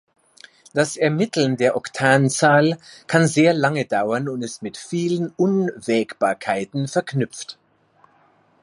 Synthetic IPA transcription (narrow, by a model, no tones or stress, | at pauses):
d̥asɛɐmɪtl̩ndeːɐʔɔktʰaːnt͡saːlkʰanzeːɐlaŋədaʊɐnʊntɛsmɪtfiːlənʊnvɛːkb̥aːɐkʰaɪtn̩fɛɐknʏp͡ft